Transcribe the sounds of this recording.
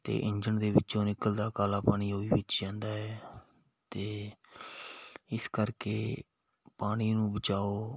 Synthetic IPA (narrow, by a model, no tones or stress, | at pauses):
t̪ḛːʔɪɲd͡ʒəɳd̪eːbɪt͡ʃːõːnɪkəld̪aːkaːlaːpaːɽ̃iːoːiːʋɪt͡ʃd͡ʒãːnd̪aːɛː | t̪eː | ɪskəɾkeː | paːɽ̃iːnũːbət͡ʃaːoː